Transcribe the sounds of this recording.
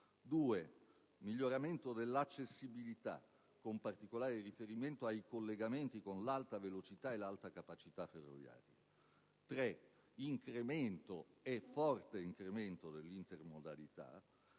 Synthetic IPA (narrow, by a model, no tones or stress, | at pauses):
d̪uːe | miʎːoɾament̪od̪elːat͡ʃːesːibilit̪a̰ | kompart̪ikolaːɾerifeɾiment̪oajkolːeɡament̪ikonlalt̪avelot͡ʃit̪aelalt̪akapat͡ʃit̪aferːo̰vja̰ːɾja̰ | t̪ɾe | iŋkɾement̪oɛfɔrt̪eiŋkɾement̪od̪elːint̪ermod̪a̰lit̪a̰